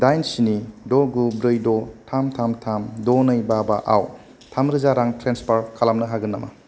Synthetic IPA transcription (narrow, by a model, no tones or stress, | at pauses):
dajnsinidɔɡubɾɯjdɔtʰamtʰamtʰamdonɐjbabaʔa̰w | tʰamɾɯzaɾaŋtɾenspaɾkʰalamnɐɦaɡɯnːɐmɐ̰